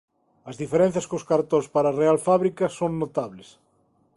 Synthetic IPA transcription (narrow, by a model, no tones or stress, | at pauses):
ɐzðifeɾen̟θjaskoskaɾt̪õspaɾarealfaβɾikɐsoŋnot̪aβles